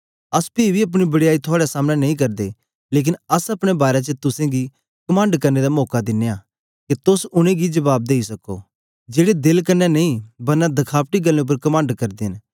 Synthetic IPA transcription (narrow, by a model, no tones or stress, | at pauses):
ɐspiːbʱiɐp̬ɽ̃ibɐɽɪjaːit̪ʰoaːɽasaːmnanɐĩk̬ɐɾd̪e | leːk̬ɪnɐsɐpɽ̃ebaːɾet͡ʃət̪ʊsẽɡi | kɐmãːɳɖkɐɾned̪amɔːkad̪ɪnːeja | ket̪osʊɽ̃ẽɡid͡ʒɐbaːb̚d̪eːisɐko̰ | d͡ʒeːɽed̪ɪlkɐɾnːɛnɐĩbɐɾnad̪ɐkʰaːpʈiɡɐlːẽʊp̬əɾkɐmãːɳɖkɐɾd̪eɦɪ̃n